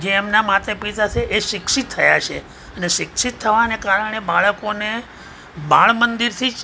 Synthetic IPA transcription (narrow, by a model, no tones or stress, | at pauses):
d͡ʒeːmnamat̪əpit̪at͡ʃʰeʔeʃɪkʃit̪ʰːəja̰t͡ʃʰe | əneʃɪkʃit̪ʰːəʋanekaɾəɽ̃ebaɭəkone | ba̰ɭmənd̪iɾt̪ʰid͡ʒ